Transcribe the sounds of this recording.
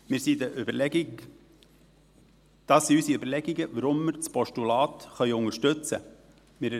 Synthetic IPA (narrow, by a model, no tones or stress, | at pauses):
mɪːɾsiːdəʔʏblɛ | d̪̥ɑːsiːysiøbəɾlɛɡɪɡəvəɾʊmːɪɾt͡spʰɔʃtulɑːt̪χœʏʊŋəʃtʉt͡sə̰ | mɪːɾ